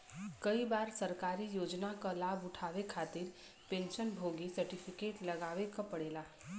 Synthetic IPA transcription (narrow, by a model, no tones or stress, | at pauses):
kɐibaːɾsɐɾkaːɾijoːd͡ʒnakalaːbʊʈʰaːʋekʰaːt̪ɪɾ | pẽːnʃənbʱoːɡisɐɾʈɪfʰɪkeːʈlɐɡaːʋekapɐɽeːlaː